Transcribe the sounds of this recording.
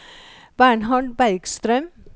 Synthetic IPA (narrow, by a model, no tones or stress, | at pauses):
bæːɳɦɑɖbæɪɡ̥st̪ɾœm